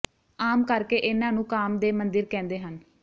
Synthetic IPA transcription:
aːmkəɾkeːʔɪnãːnũːkaːmd̪eːmənd̪əɾkɛ̃ːnd̪eːɦən

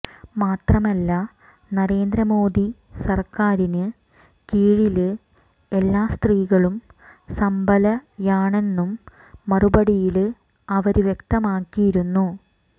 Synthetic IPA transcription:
maːt̪rɐmɐlːɐ | nɐɾe̞ːnd̪ɾɐmo̞ːd̪i | sɐrkaːɾinɨ | kiːɻilɨ | e̞lːaːst̪riːɣɐɭumsɐmbʱɐlɐjaːɳe̞nːumː | ɐrubɐɽijil | ɐʋɐɾuʋje̞k̚t̪ɐmaːkːijiɾunːu

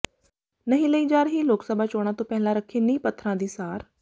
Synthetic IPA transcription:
nəɦĩləiːd͡ʒaːɾɦiloːksəbʱat͡ʃoːɽ̃ãt̪õːpɛɦɪ̃lãɾəkʰenĩːpət̪ʰːɾãd̪iːsaːɾ

